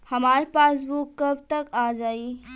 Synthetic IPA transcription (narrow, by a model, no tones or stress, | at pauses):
hɐmaːɾpaːsbukːɐbt̪ɐkaːd͡ʒaːi